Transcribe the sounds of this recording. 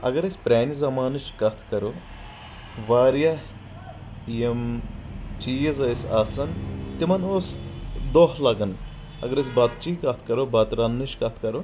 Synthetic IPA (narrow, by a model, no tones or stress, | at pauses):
ɐ̰ɡɐɾɐsʲpɾʲaːnizɐmaːnɨʃkɐt̪ʰkɐɾu | ʋaːɾjɐh | jem | t͡ʃiːjɐzɐsaːsɐnt̪imɐnosd̪oɦlɐɡɐn | ɐ̰ɡɐɾɐs̬ʲbɐt̪̚t͡ʃikɐt̪ʰkɐɾubɐt̪ɾɐnːɨʃkɐt̪ʰkɐɾu